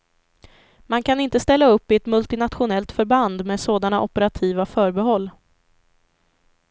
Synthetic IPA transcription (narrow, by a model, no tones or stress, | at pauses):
mankʰanɪnt̪əst̪ɛlːaɵpːɪɛt̪mɵlt̪ɪnat̪ɧʊnɛlt̪fœɾband̪meːd̪soːd̪anaʔɔpəɾat̪ʰiːvafœːɾbɛɦɔlː